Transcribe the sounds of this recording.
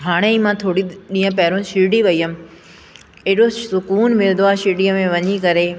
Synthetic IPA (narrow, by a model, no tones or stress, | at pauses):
ɦaːɽ̃eiːmãt̪ʰoːɽiɗĩːɦə̃pɐɦɪɾõʃiːɖiʋɐijəmɪ̆ | eɦɗosʊkuːnmɪlɪnd̪oaːʃiːɖijəmẽʋɐɲikɐɾe